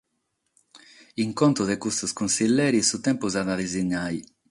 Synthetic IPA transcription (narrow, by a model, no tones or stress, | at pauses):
iŋkɔnt̪ɾuðɛkust̪uskunsilːɛːɾisut̪ɛmpuzaðaðeziɲːaːj